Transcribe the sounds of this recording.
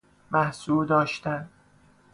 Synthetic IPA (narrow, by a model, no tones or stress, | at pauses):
mæhsuːd̪ɒːʃt̪æn